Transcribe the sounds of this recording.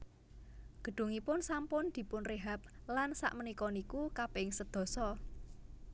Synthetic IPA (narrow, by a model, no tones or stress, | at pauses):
ɡ̥ə̤ɖ̪̥ṳŋipʊnsampʊnd̪̥i̤pʊnreɦap̚lansa̰ʔmənikɔnikukapɪŋsəd̪̥ɔ̤sɔ